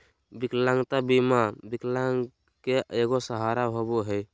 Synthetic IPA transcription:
biklãŋɡt̪abimabiklaŋ | keeɡosəɦaɾaɦoboɦəj

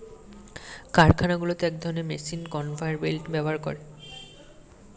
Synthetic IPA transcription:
kaɾkʰanaɡulot̪eɛk̚d̪ʱɔnemḛsinkɔnfʰajɾbelʈbɛbaɾkɔ̰ɾe

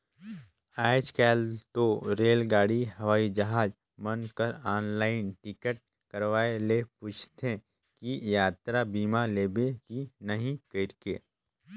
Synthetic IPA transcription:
aːɪt͡ʃkɛːlt̪oɾeːlɡaːɽiɦɐʋaːid͡ʒɐɦaːd͡ʒ | mənkəɾaːnlaːɪnʈɪkəʈ̚ | kəɾʋaːelepuːt͡ʃʰt̪ẽ | kijaːt̪ɾabiːmaleːbekinɐɦĩkəɪɾkeː

